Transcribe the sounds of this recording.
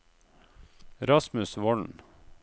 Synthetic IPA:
ɾɑsmʉsʋɔɳn

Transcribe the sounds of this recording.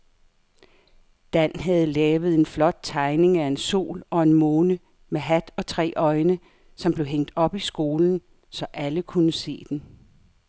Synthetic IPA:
d̥æn̰ɦæð̞̩ˠlɛːʊð̞̩ˠe̝nflɒ̽d̥̚t͡sʰɑ̈ɪne̝ŋæe̝nso̝̰ːlɒ̽e̝nmoːnə | meɦæd̥ɒ̽t͡sʰʁɛ̰ːʔɒ̽ɪnə | sɒ̽mb̥le̝ʊɦeŋ̰d̥ɒ̽b̥isɡ̥o̝ːln̩ | sɒ̽ʔæləkʰunəse̝̰ːd̥en

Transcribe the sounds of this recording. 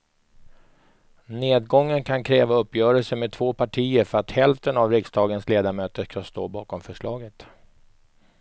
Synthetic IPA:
neːd̪̚ɡɔŋːənkʰankʰɾɛːvaɵpːjœːɾəlsəmed̚t̪ʰvoːpʰaʈʰiːəɾfœɾat̪hɛlft̪ənavɾɪksd̪ɑːɡənsleːd̪amøːt̪əʂkʰanst̪o̰ːbɑːkɔmfœʂɭɑːɡət̪

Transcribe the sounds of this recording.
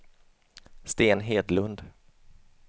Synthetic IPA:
st̪eːnɦeːd̪lɵnd̪

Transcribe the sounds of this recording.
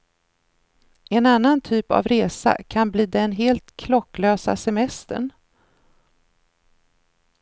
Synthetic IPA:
ɛnanːant̪ʰyːpa̰vɾeːsa̰kʰanbliːd̪ɛnɦeːlt̪kʰlɔkːløːsa̰sɛmɛst̪ə̰ɳ

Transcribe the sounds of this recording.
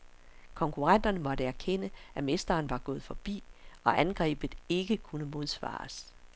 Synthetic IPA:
kʰɒ̽ŋkʰuʁɑn̰d̥ɐnəmɒ̽ɾəæɐkʰen̰əʔæme̝sd̥ɐːnʋɑ̈ɡ̥ɔ̽ːð̩ˠfɒ̽b̥ḭːʔɒ̽ʔænɡ̥ʁɛ̰ːb̥ð̩ˠe̝ɡ̥əkʰunəmo̝ð̞ˠsʋɑ̰̈ːs

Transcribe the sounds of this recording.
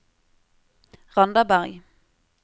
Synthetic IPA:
ʁɑnd̪əbæʁɡ

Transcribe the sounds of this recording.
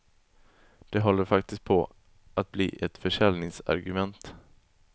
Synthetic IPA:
d̪̥ɛɦɔlːəɾfak̚t̪ɪskt̪̚pʰɔ | ʔat̪̚bliːʔɛt̪fœʂɛlnɪŋsa̰ɾɡɵmɛnt̪

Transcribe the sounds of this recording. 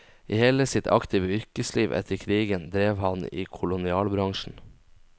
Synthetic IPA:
ʔiːheːləsɪt̪ʰɑ̰kt̪ʰiːʋəʏɾkəsliːʋʔɛ̰t̪ʰəɾkʰɾiːɡənd̪ɾeːʋhɑnḭːkʰʊlʊnɪɑːlbɾɑŋʃn̩

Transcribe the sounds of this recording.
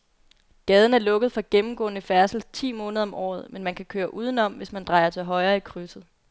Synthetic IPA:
ɡ̥ɛːð̞ˠn̩æɐlɔ̽ɡ̥əð̞̩ˠfɒ̽ɡ̥emm̩ɡ̥ɔ̰̽ːnəfæɐsl̩t͡sʰḭːmɔ̽ːnəðˠɒ̽mʔɒ̰ːð̞̩ˠmenmænkʰækʰøːɐʔuːð̞ˠn̩ɒ̽m̰ʋe̝smænd̥ʁɑ̈ɪɐt͡sʰe̝lɦɒ̽ɪʁɐːikʰʁysð̞̩ˠ

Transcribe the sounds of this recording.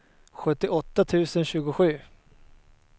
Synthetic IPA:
ɧɵt̪ːɪʔɔt̪ːat̪ʰʉ̟ːsənɕʉ̟ːɡʊɧʉ̟ː

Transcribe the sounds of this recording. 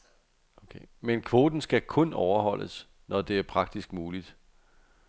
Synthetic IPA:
okʰemenkʰʋo̝ːd̥n̩sɡ̥ækʰɔ̽nɒʊɐhɒ̽l̰əs | nɒd̥e̝æɐpʰʁɑ̈ɡ̥̚d̥isɡ̥muːlid̥

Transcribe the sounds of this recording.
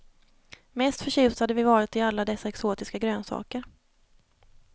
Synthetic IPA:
mɛst̪fœɕʉ̟ːst̪had̪əvɪvɑːɾɪt̪ɪalːad̪ɛsːaɛksoːt̪ɪskaɡɾøːnsɑ̰ːkəɾ

